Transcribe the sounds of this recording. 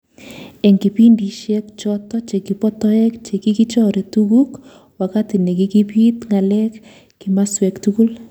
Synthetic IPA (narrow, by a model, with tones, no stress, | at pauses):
ɛ˨ŋki˨pi˦ndi˨ʃɛ˦kt͡ʃɔtɔ˦t͡ʃe˨ki˨pɔ˦tɔ˦ɛ˦kt͡ʃe˨ki˦ki˦t͡ʃɔ˦ɾe˨tu˦ɡu˦k | wa˨ka˦ti˨ne˨ki˦ki˦pi˦t̪ŋa˨lɛ˦k | kːi˨ma˦swɛ˨ktuku˦l